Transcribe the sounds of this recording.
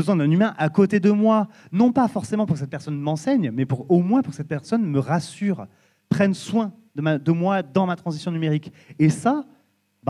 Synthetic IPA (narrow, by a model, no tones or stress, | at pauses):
əzwɛ̃d̪ɛ̃nymɛ̃ʔakot̪ed̪əmwa | nɔ̃pafɔʁsemɑ̃puʁkəs̬ɛt̪̚pɛʁsɔnmɑ̃sɛɲmɛpuʁomwɛ̃puʁkə̥sɛt̪̚pɛʁsɔnməʁasyːʁ | pχɛnswɛ̃ | d̪əmad̪əmwad̪ɑ̃mat̪χɑ̃zisjɔ̃nymeʁik | esa | ba